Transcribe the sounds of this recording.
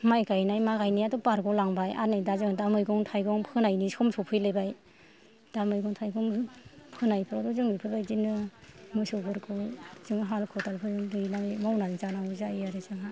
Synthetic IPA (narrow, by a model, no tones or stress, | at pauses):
majkajnajmaɣajniatdɔpaɾɡɔlaŋbaja̰najdazɯŋdamɯjɡɔŋtʰajɡɔŋpʰɯnajnisɔmsʰɔwpʰɯjlɯjbaj | d̥amɯjɡɔŋtʰajɡɔŋpʰɯnajpʰɯɾadɔzɯŋbipʰɯɾbajzinɯmɯsɔbʰɯɾkʰɔzɯŋɦalkʰɔtalpʰɯzɯŋdɯjlaŋimawnanizanawzaijaɾezaŋa